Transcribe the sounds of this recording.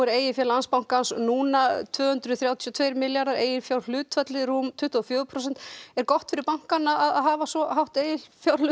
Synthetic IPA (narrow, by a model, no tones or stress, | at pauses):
ɛɾeːjɪfjɛlanspawŋ̥kansnuːnat̪ʰvœːhʏnt̪ɾʏθɾjaːwt̪ʰjɔt̪ʰveːjɾmɪljaɾðaɾḛːjɪɾfjawɾl̥ʏːt̪fœt̪lɪɾuːmt̪ʰʏht̪ɔɔfjœːðpʰɾɔs̬ɛn̥t̪ɛɾkɔht̪fɪɾɪɾpawŋ̥kanːaaðaðɦaːvasɔɦawht̪eːjɪlfjawɾl